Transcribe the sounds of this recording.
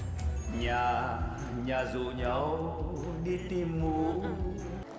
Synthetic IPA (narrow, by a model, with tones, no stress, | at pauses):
ɲa˨ | ɲa˨˩zu˨ɲə˨˦w | ɗi˧˦t̪i˧˦mːu˨˦